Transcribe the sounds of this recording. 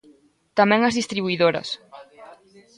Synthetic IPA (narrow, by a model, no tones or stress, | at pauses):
t̪amɛ̃ŋɐzðist̪ɾiβuiðoɾɐ̰s